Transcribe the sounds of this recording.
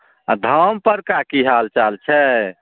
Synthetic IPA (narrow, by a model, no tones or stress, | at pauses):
d̪ʱəmpəɾkakiɦalt͡ʃalt͡ʃʰɛ